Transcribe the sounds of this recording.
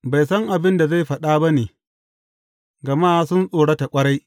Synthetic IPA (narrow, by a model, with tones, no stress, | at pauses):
ba˨jsɐ˦ŋʔa˨bɪ˦nda˨za˦˨jɸɐ˨ɗaː˦bɐ˦neː˨ | ɡɐ˨maː˦sʊ˦nsʼoː˨ɽɐ˦ta˨kʷʼɐ˦ɽa˦j